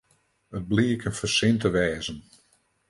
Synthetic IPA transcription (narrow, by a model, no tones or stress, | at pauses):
ət̚bliːəkənfərsɪntəʋɛːzən